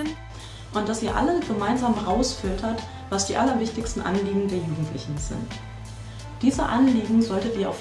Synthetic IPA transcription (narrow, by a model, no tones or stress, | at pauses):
n | ʔʊnt̚d̥asiːɐʔa̰ləsɡ̥əmaɪnzaːmʁaʊsfɪltʰɐt | vasd̥iːʔalɐvɪçtɪçstn̩ʔa̰nliːɡŋ̩deːɐjuːɡŋ̩tʰlɪçn̩z̥ɪ̰nt | d̥iːzəʔanliːɡŋ̩zɔltətiːɐaʊ